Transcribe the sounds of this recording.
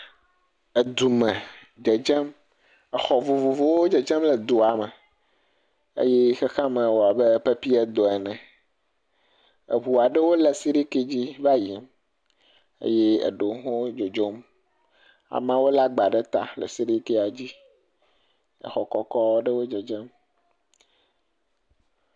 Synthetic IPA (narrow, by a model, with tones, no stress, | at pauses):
e˨d̪u˨mɛ̃˨ | d͡ʒe˨d͡ʒɛ˦m | ɛ˨xɔ˨vu˨vu˨vo˦wo˦d͡ʒe˨d͡ʒɛ˦mle˨d̪o˨a˨mɛ˨ | ḛ˦jɛ˦xe˦xã˦mɛ̃˨wo˨a˨be˦pe˦pi˦ɛ˦d̪o˨ɛ˨nɛ̃˨ | ḛ˨βu˨a˨ɖe˦wo˦lɛ˨si˦ɾi˦ke˦d͡ʑi˦va˦ji˨m | ḛ˦je˦ḛ˨ɖo˨˦ɦo˦d͡ʒo˨d͡ʒo˦m | a̰˨mã˦wo˦la˦ɡ͡ba˨ɖe˦t̪a̰˨lḛ˨si˦ɾi˦ke˦a˨d͡ʑi˦ | ḛ˨xɔ˨kɔ˦kɔ˦wo˦ɖe˦wo˦d͡ʒe˨d͡ʒɛ˦m